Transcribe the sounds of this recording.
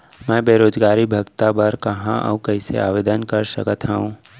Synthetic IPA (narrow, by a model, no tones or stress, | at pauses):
mɛ̃ːbeːɾoːd͡ʒɡaːɾibʱəɡt̪abəɾkɐɦã̰ʔə̰ʋkəɪsḛaːʋeːd̪ənkəɾsə̰kət̪ɦaũ